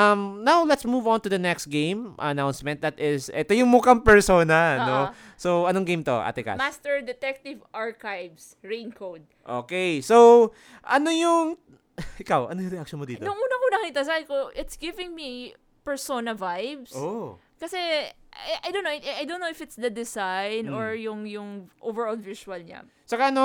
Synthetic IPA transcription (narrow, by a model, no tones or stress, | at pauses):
ʔɐmnawlɛt̪smuvɔ̃nt̪ud̪ɐnɛkst̪̚ɡẽjmʔɐ̰nawnsmɛnt̪̚d̪ɐt̪ɪsʔɛt̪ojʊŋmukɐmpɛɹsoːnɐno | sowɐnoŋɡejmt̪o̞̰ʔa̰ːt̪ɪka̰mast̪ɛɹd̪ɛt̪ɛk̚t̪ɪvʔaɹkajvs | ɹẽjnkʰowd̪̚ʔo̰kejsow | ʔɐnojʊŋ | ʔɪkawʔɐnojʊŋɾɛʔɐk̚ʃonmod̪iːnonʊŋʔuːnɐmunɐkniːt̪ɐs̬aːbɪkoʔɪt̪sɡɪvɪŋmi | pɛɹsonɐvajvsʔo | kɐsɛɛʔajdownːoɪajd̪ownːowɪfɪt̪sd̪ɐd̪ɛsajnoɹjʊŋjʊŋʔovɛɹolvisuɐlɲɐ̰ | sɐkaɐno